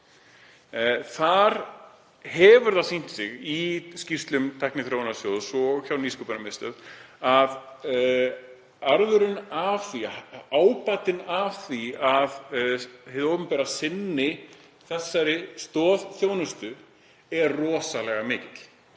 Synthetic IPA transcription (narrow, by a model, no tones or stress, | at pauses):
θaɾ̥ | hɛvʏɾðasin̥t̪sɪɣiscir̥st̪lʏmt̪ʰajhknɪθɾownaɾsjowðsɔçawniːskupʏnamɪst̪œðað | aɾðʏɾɪnav̥θiaaːwpat̪ɪnav̥θiað | hɪðowpʏmpɛːɾasɪnːɪ | θɛsːaɾɪst̪ɔːðθjoːwnʏst̪ʏ | ɛɾrɔːsalɛɣamɪːcɪt̪l̥